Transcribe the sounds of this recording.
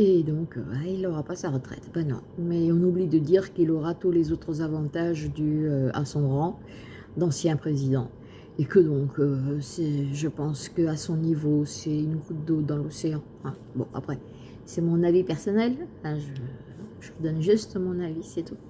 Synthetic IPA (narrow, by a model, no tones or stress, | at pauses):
ed̪ɔ̃kø̰bailɔʁapasaʁət̪χɛ̰t̪banɔ̰̃mɛɔ̃nublid̪əd̪iʁkilɔʁat̪ulezot̪χəzavɑ̃t̪aʒd̪yøa̰sɔ̃ʁɑ̃ | d̪ɑ̃sjɛ̃pχezid̪ɑ̃ | ekəd̪ɔ̃kʰøsɛʒəpɑ̃skəasɔ̃nivosɛynʁut̪̚d̪od̪ɑ̃loseɑ̃ | fɛ̃ | bɔ̰̃ʔa̰pχɛ | sɛmɔ̃navipɛʁsɔnɛlãʒə | ɔ̃ʒəvəd̪ɔnʒyst̪mɔ̃navisɛt̪u